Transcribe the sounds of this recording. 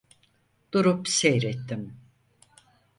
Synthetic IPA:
d̪̥uɾupsejɾɛt̪ːim

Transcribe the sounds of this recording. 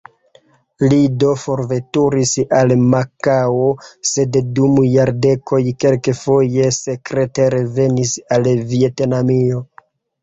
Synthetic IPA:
lido̞fo̞ɾve̞tuɾisalmakawose̞ddumjaɾde̞kʰo̞jke̞lkefo̞je̞se̞kɾeteɾeve̞nisalvie̞tnamio

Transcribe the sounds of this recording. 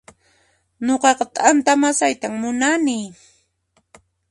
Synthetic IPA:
ɲoqɑqɑt̪ant̪amasajt̪aŋmʊnanɪ

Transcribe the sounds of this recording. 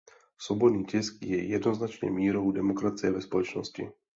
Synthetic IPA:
sɔbɔd̪niːcɛskjɛjɛd̪nɔznat͡ʃɲɛ̰miːɾoʊd̪ɛmɔkɾat͡sɪɛvɛspɔlɔt͡ʃnɔscḭ

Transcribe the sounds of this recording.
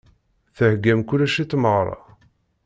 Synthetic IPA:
θəhɡːæmkulæʃit͡s̪ːməʁɾˤɑ̰

